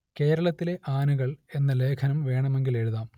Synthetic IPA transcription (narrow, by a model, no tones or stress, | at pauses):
ke̞ːɾɐɭɐt̪ːile̞ʔaːnuɣɐɭe̞nːɐle̞ːkʰɐnɐmʋe̞ːɳɐme̞ŋɡile̞ɻuðaːm